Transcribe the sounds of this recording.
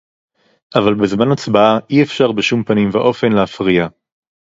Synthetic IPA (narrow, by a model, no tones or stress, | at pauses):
ʔavalbezmanat͡sbaaʔiefʃaʁbeʃumpanimvaʔo̞fe̞nleafʁija